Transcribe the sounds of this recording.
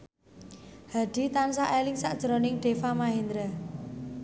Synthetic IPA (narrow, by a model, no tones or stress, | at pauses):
haɖ̪̥i̤t̪ansaʔelɪŋsaʔd̥ʒ̥əɾonɪŋɖ̥efamaɦind̪ɾa